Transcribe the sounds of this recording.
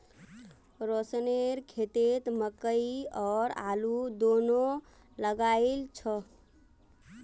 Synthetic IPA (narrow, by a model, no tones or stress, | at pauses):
ɾosneɾkʰet̪et̪məkəiɔːɾa̰lud̪ono | ləɡaɪlt͡ʃʰɔ